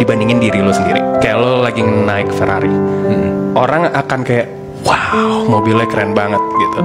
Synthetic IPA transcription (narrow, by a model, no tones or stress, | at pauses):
dibandiŋɪndiɾilosəndiɾḭkajaʔlolaɡiŋnaɪk̚fəɾa̰ɾim̩ʔoɾaŋakankajaʔ | wawmobilakɾɛnbaŋət̪̚ɡit̪u